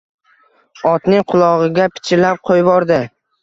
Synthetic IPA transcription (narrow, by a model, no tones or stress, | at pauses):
ɒt̪nɪŋqʰʊlˠɒʁɨɡʲapʰɪ̥t͡ʃʰɪlap̚qʰojbɒɾd̪ɪ